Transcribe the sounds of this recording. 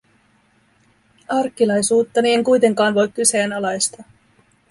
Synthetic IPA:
ɑrkːilɑjsuːt̪ːɑnieŋkujt̪e̞ŋkɑːnʋo̞jkːyseːnɑlɑjst̪ɑ

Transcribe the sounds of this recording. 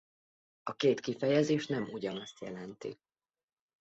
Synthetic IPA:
ɒkeːt̪kifɛjɛzeːʃnɛmuɟɒnɒst̪jɛlɛnt̪ḭ

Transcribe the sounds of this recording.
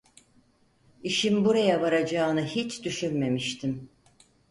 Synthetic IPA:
iʃimbuɾajaβaɾad͡ʒaːnɯhit͡ʃd̪yʃynme̞miʃt̪ʰim

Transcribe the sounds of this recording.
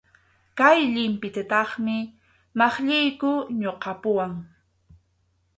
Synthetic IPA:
kajʎɪmpɪt̪at̪ɑχmɪ | mɑχʎɪjkʊɲoqɑpʊwaŋ

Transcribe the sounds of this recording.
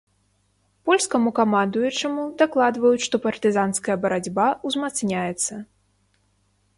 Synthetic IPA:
pɔlʲskɐmukamand̪ujut͡ʂɐmud̪aklˠad̪vɐjut͡sʲʂt̪ɔpɐrt̪ɨzanskɐjɐbɐɾad͡zʲbauzmat̪snʲajɛt̪sːɐ

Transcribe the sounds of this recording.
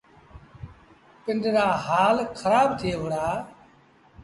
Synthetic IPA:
pɪnɖɾaːɦaːlkʰəɾaːbt̪ʰɪeːʋʊɽaː

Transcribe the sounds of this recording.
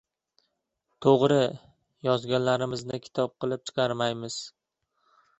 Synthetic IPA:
t̪ʰoʁɾɪ | jɒzɡʲanlaɾɪmɪznɪkʲʰɪ̥t̪ʰɒp̚qʰɨlˠɪp̚t͡ʃ̪ʰɪ̥qʰɑɾmajmɪz̥

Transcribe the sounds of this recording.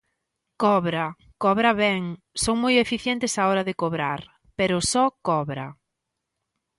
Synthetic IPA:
kɔβɾɐ | kɔβɾɐβɛŋ | soŋmojefiθjɛnt̪ɪsaɔɾɐðɪkoβɾa̰ɾ | peɾʊsɔkɔβɾɐ̰

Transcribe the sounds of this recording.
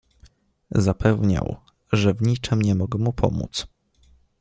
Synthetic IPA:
zapʰɛvɲa̰w | ʐɛvɲit͡ʂɘmɲɛmɔɡɛmupʰɔ̰mṵt̪s

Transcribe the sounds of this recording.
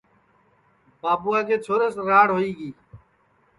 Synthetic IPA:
baːbuːaːkeːt͡ʃʰoːɾəsɾaːɽɦoːiːɡiː

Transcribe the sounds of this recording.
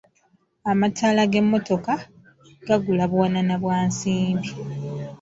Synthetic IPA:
amatʰaːlaɡe̞mːo̞to̞ka | ɡ̥aɡulaβwananaβwaːnsiːmbi

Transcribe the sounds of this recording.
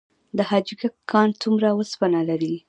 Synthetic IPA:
d̪əhɑd͡ʒɡakʰːɑnt͡sumɾawəspanalaɾi

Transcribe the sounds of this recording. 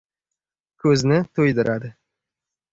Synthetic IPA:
kʲʰɵznɪt̪ʰɵjd̪ɪɾʔad̪ɪ

